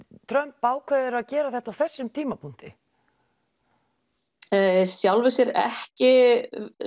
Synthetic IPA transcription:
t̪ʰɾœmpːaːwkʰvɛːðɪɾaðcɛːɾaθɛht̪awθɛsːʏmt̪ʰiːmapʰun̥t̪ɪ̰ | sjawlvɪsɪɾɛ̰hcɪ

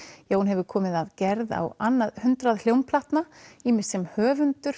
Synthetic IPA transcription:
jaːwhunɦɛvʏɾkʰɔːmɪðaðcɛɾða̰wanːaðhʏnt̪ɾaðl̥jowmpʰlaht̪naiːmɪ̥sɛmhœːvʏnt̪ʏɾ̥

